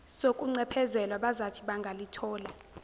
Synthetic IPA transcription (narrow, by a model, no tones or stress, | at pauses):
sokʼuŋ͡ǀɛpʰɛzɛlwaɓazatʰiɓaŋɡʱalitʰɔːla